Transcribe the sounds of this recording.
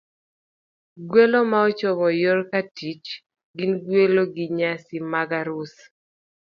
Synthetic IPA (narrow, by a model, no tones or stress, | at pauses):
ɡwelomaɔt͡ʃɔmɔjorkatit͡ʃ | ɡɪnɡweloɡɪɲasimaɡaɾus